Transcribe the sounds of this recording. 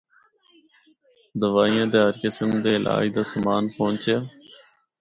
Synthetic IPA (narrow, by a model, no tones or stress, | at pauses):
d̪əʋaːijãːd̪eːɦəɾkɪsəmd̪eːlʔa̰ːid̪aːsəmaːnpõːnt͡ʃeː